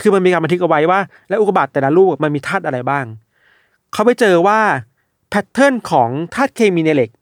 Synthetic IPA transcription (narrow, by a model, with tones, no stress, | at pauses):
kʰɯː˧ma˧nmiː˧ka˧ma˧t̪ʰɯ˦˥k̚ʔwa˦˥jwaː˥˩ | lɛ˦˥ʔu˨˩pa˧baː˨˩t̪ːɛː˨˩laː˨˦luː˥˩k̚a˨˩ma˧nmiː˧t̪ʰaː˥˩t̪ʔa˧ɾa˧jbaː˥˩ŋ | kʰa˦˥wpa˧jt͡ɕɤː˧waː˥˩ | pʰɛ˦˥t̪ʰːɤ˥˩nkʰɔː˩˦ŋt̪ʰaː˥˩t̪̚kʰeː˧miː˧ne˧le˨˩k̚